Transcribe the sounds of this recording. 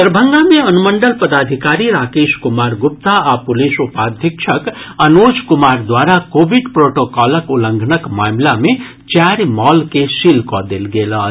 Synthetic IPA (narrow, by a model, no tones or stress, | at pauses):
t̪əɾbʱəŋɡameənuməɳɖəlpɐd̪ad̪ʱikaɾiɾaːkeskumaɾɡup̚t̪aapulisupad̪ʱjikt͡ʃʰɐkɐnod͡zkumaɾd̪waɾakobʱiɖpɾoʈokɔləkuləŋɡʱənʌkmaːmlame | t͡ʃaɾmɔlkesilkɔd̪elɡelʌ